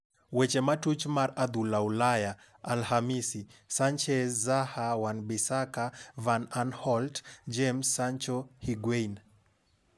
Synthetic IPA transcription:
wɛt͡ʃɛmatut͡ʃmaɾad̪ulaulaja | alhamisisant͡ʃɛzahawanbisakavananhɔltd͡ʒɛmsːant͡ʃɔhiɡwɛjn

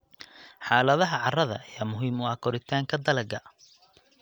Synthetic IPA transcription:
ħaːlɐðɐɦɐʕɑrɐðɐ̰ɐjaːmʊɦiːmʊɐkʰɔɾɪt̪ʰaːŋkʰɐd̪ɐlɐɡɐ

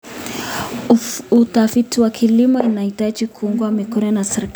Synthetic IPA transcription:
utafitiwakʰilimɔinahitad͡ʒikuuŋɡuamikɔnɔnasɛɾik

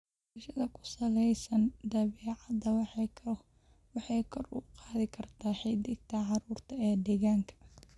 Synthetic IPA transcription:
ʃɐðɐkʰʊ̥sɐlɛjsɐnd̪ɐβɛːʕɑd̪ɐwʰ | wɑħɑjkʰɔrʊ̰qɑːðɪkʰɐrt̪ʰaːħɛd̪ɪɡ̚t̪ʰɐʕɑɾuːrt̪ʰɐɛːd̪ɛːɣaːŋkʰɐ̥

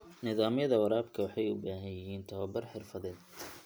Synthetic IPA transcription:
nɪðaːmjɐðɐwɑɾaːbkʰɐwɑħɑjʊbaːɦɐjɪɦiːnt̪ʰɔβɐbɐrħɪrfɐðɛːd̪

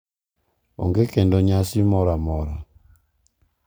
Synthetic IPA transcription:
o̰ŋɡekendɔɲasimɔɾamɔɾa

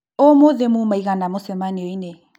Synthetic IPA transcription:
omoðemumaiɣanamosɛmaniɔine

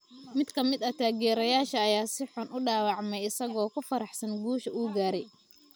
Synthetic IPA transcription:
mɪd̪kʰɐmɪd̪ɐt̪ʰaːɣɛːɾɐjaːʃɐːjaːsɪħʊnʔʊɖɑːwɑʕmɛjɪsɐɣɔːkʰʊfɐɾɑħsɐnɡuːʃɐuːɡaːɾɛj

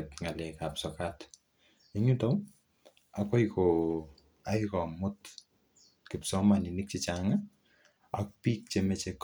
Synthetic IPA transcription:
ɛtŋalekapsɔkat | iɲutɔw | akɔjko | ajkɔmʊt | kɪpsɔmaninɪk̚t͡ʃit͡ʃaŋa | ak̚pik̚t͡ʃemɛt͡ʃek

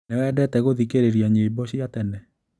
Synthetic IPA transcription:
newɛdɛtɛɣoðikeɾeɾijaɲebɔɕiatɛnɛ

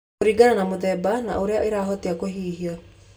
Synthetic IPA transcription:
oɾiːɡananamoðɛbana̰ʔoɾeaʔeɾaːɦɔteakoɦiːɦiɔ

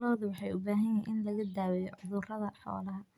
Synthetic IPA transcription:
lɔːðʊwɑħɑjʊbaːɦɐjɪnʔɪnlɐɣɐd̪aːwɛjɔʕʊðʊrɐðɐħɔ̰ːlɐɦɐ

